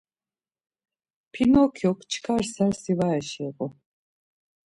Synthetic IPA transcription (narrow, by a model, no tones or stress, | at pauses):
pʰinɔkʰjɔkʰt͡ʃʰkʰaɾsaɾsivaɛʃɛɣɔ